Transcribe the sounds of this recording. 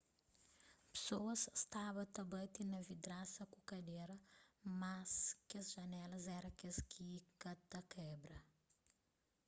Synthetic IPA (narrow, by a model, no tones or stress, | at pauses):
psoɐzst̪avɐt̪ɐbɐt̪inɐvid̪ɾasɐkukɐd̪eɾɐmaskɐsʒɐnɛlɐzɛɾɐkɐskikɐt̪ɐkɛbɾɐ